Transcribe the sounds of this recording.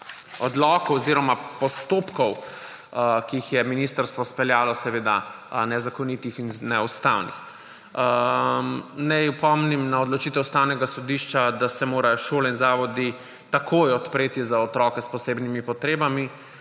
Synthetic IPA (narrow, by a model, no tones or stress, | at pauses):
ɔd̪lɔːkɔwɔziɾɔmapɔst̪oːpkɔw | kiːxjɛminist̪əɾst̪ʋɔspɛljaːlɔsɛʋeːd̪a | nɛzakɔnit̪ixinnɛust̪a̰wnḭx | nɛjupɔmnimnaɔd̪lɔt͡ʃit̪ɛwust̪awnɛɡasɔd̪iʃt͡ʃad̪asɛmoːɾajɔʃoːlɛinzaːʋɔd̪i | t̪akʰoːjɔt̪pɾeːt̪izaɔt̪ɾɔːkɛspɔseːbnimipɔt̪ɾeːbami